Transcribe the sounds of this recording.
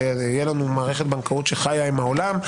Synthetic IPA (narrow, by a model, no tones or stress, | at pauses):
jelanumaːʁeχet̪̚beankaut̪ʃeχajaimaolam